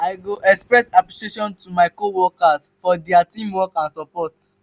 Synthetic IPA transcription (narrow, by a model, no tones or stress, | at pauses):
aɪɡoʔɛkspɹɛsapliʃeʃɔ̃ntumaɪkowɔkas | fɔdɛatĩmwɔkãnsɔpɔt